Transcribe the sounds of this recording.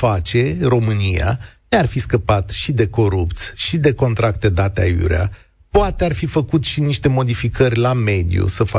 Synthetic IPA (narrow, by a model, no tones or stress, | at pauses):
fat͡ʃe̞ro̞mɨnia̰nearfiskəpat̪ʃid̪e̞ko̞ɾup̚t̪sʲʃid̪e̞ko̞nt̪ɾak̚t̪e̞d̪at̪eajṵɾea̰ | poat̪earfifəkut̪ʃiniʃt̪e̞mo̞d̪ifikərʲlame̞d̪ijṵsəfa